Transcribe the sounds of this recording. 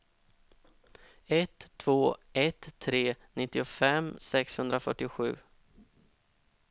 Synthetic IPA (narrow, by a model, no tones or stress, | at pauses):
ɛt̪ʰːv̥oːɛt̪ʰːɾeːnɪt̪ːɪʊfɛmːsɛkshɵnd̪ɾafœ̰ʈːɪɧʉ̟ː